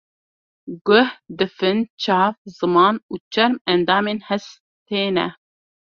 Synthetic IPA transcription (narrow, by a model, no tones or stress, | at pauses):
ɡʊhd̪ɨfɨnt͡ʃʰɑːvzɨmɑːnuːt͡ʃʰɛɾmɛnd̪ɑːmeːnhɛs | t̪ʰeːnɛ̰